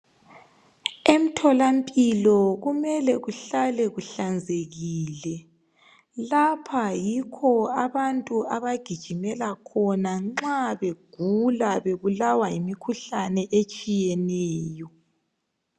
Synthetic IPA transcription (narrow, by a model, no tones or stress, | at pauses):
em̩tʰɔlampʼilɔɣumɛlɛɣuɬalɛɣuɬand͡zʱeɣiːlɛ | lapʰajikʰɔaβantʼuaβaɡ̥ʱid̥ʒ̥ʱimɛlakʰɔnaŋ͡ǁaβeɡ̥ʱulaβeβulawaimikʰuɬanɛʔet͡ʃʼijɛnɛːjɔ